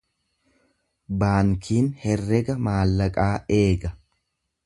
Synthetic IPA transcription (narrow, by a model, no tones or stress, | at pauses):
baːŋkʰiːnhɛrːɛɡɐmaːlːɐkʼaːʔe̞ːɡɐ